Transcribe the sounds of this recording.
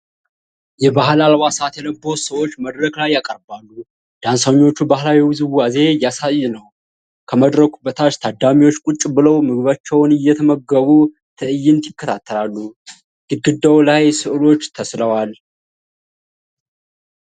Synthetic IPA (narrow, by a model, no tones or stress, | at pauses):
jɛbahlalwasat̪jɛləbo̞səwo̞t͡ʃːməd̪ɾəklajːakʼəɾbalːu | d̪̥ansaɲːo̞t͡ʃːubahlawiwzɨwwaze̞jasajːɨnəw | kʰəməd̪ɾəkʰʷubət̪ʰat͡ʃt̪ʰad̪amiwo̞t͡ʃːkʼut͡ʃʼːbɨləwmɨɡɨβat͡ʃːɛwnɨjːɛt̪ʰəməɡəβu | t̪ʰɨʔɨjːɪnt̪ʰjɪkːət̪ʰat̪ʰːəlalːu | ɡ̥ɨd̪̚ɡɨd̪ːawlajsɨʔɨlo̞t͡ʃːt̪ʰəsləwal